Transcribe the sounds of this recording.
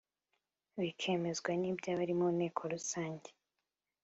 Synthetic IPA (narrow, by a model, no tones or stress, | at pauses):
βikʰe̞me̞zɡwaniːbɟaβaɾimone̞ːkʰo̞ɾusaːɲɟe